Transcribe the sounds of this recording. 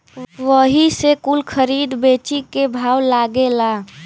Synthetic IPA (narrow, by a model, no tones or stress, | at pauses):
ʋəɦisekulkʰəɾiːd̪beːt͡ʃikebʱaːwlaːɡelaː